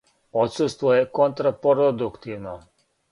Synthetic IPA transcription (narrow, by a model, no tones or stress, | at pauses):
ot̪sust̪ʋojekont̪ɾapoɾod̪ukt̪iʋno